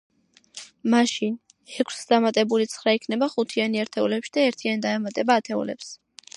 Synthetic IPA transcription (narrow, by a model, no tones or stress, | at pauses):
maʃin | ɛkʷʰsd̪amat̪ʼɛbulit̪sʰχɾaikʰnɛbaχut̪ʰianiaɾt̪ʰɛulɛpʃid̪aɛɾt̪ʰiand̪aɛmat̪ʼɛbaːt̪ʰɛṵlɛ̰ps